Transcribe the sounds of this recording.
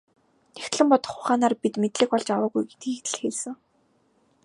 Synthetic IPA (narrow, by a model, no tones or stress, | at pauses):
next̪ɮɘ̆mpɔt̪ɞ̆χʊχaːnaːrpit̪met̪ɮɘ̆kpɔɮt͡ɕawəːɣujɡe̥t̪̚ɡiːkt̪̆ɮxeɮsɘ̆ŋ